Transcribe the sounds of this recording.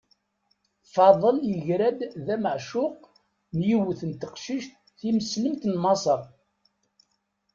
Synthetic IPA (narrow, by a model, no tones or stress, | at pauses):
θfɑðˤəljəʝɾæd̪ðæməʕʃʊq | njiwəθənt̪əqʃiʃt̪ | θiməsləmt̪nmɑsˤɑɾˤ